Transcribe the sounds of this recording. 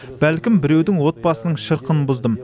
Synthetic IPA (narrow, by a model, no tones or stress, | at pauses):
b̥ælkʲɪmbɪɾe̞wd̪ɪŋwo̞t̪̚bɑsənəɴʃəɾqənbʊzd̪əm